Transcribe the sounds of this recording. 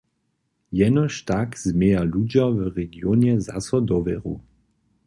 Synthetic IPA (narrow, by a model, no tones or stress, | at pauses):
jɛnɔʃtakz̥meːalud͡ʒavəʁɛɡjɔnjɛza̰sɔd̪ɔvɛʁu